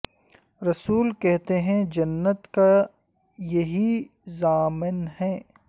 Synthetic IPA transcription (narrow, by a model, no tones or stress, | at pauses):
ɾɐsuːlkɛɦt̪eɦɛ̃d͡ʒɐnːət̪ka | jɐɦi | zaːmɪnɦɛː